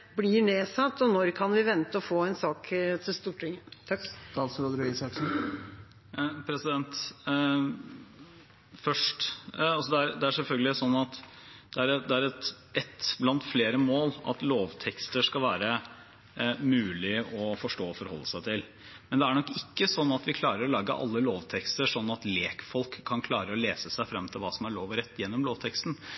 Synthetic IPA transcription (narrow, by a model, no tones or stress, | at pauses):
blɪɳeːsɑt̪ːɔnɔɾkʰɑnʋɪʋɛnt̪əɔfoːɛnsɑːkt̪ʰɪlst̪uːʈʰɾɪŋəd̪̥ʰɑlsɾoːd̪ɾisɑksn | pʰɾɛsɪd̪ɛnt̪ | fœʂʈɑlsɔd̪ɛæɾd̪ɛæʂɛlfœlɡəlɪsɔnːɑt̪ | d̪̥ɛæɾd̪ɛæɾɛt̪ | ʔɛt̪blɑnt̪fleːɾəmoːlɑ̰t̪loːʋt̪ʰɛkst̪əʂkɑlʋæːɾə | mʉːlɪɔfɔʂʈoːɔfɔɾhɔ̰lːəsæɪt̪ʰɪl | mɛnd̪ɛæɳɔkːɪkːəsɔnːɑt̪ʋɪkʰlɑːɾəɾɔlɑːɡə̰ʔɑ̰lːəloːʋt̪ʰɛkst̪əʂɔnːɑt̪leːkfɔlkʰːɑnkʰlɑːɾəɔleːsəsæɪfɾɑmt̪ʰɪlʋɑːsɔmæɭoːʋɾɛt̪ːjɛnːɔmloːʋt̪ʰɛkst̪n̩